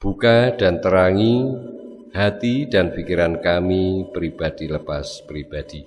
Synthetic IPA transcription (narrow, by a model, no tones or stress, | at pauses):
b̥ukad̥ant̪əɾaŋi | hat̪idanfikiɾankamipɾib̥ad̥iləpaspɾib̥ad̥i